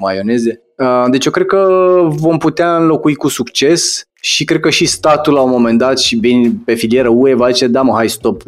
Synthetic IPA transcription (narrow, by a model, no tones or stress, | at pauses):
majo̞ne̞ze̞ | əd̪e̞t͡ʃjokɾe̞d̪̚kəvo̞mput̪eaɨnlo̞kuikusukt͡ʃe̞s | ʃikɾed̪̚kəʃist̪at̪ulːaomo̞me̞nd̪at̪ʃivinʲpe̞filije̞ɾəue̞vad̪it͡ʃed̪aməɦajst̪o̞p